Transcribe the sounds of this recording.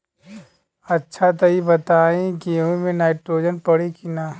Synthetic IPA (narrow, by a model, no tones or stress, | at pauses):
ɐtːʃʰat̪ɐɦibɐt̪aːĩkiɦũmẽnaːɪʈɾoːd͡ʒənpɐɽikinaː